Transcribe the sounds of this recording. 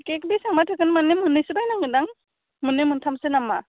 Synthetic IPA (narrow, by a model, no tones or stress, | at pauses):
kekbisaŋmatʰɯkɯnmanemɯnɯjsɯbajnaŋɯdaŋ | mɯnːɯmɯntʰamsenamːa